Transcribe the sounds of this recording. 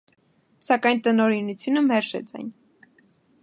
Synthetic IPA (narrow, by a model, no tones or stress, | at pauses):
sɑkɑjnt̪ənɔɾinut͡sʰjunəmɛɾʃɛ̰t͡sɑ̰jn